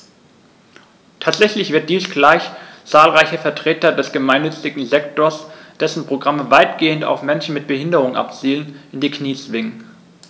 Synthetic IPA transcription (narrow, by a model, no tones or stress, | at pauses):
tʰaːtz̥ɛçlɪçv̥ɪɐt̚d̥iːsɡ̥laɪçt͡saːlʁaɪçəfɛɐtʁ̥eːtɐdɛsɡ̥əmaɪnːʏt͡sɪɡŋ̩zɛktoːɐsd̥ɛsn̩pʁ̥oɡʁaməvaɪtɡ̥eːənta̰ʊfmɛnʃn̩mɪt̚b̥əhɪndəʁʊŋʔa̰pt͡siːlənʔɪndiːkʰniːt͡sv̥ɪŋən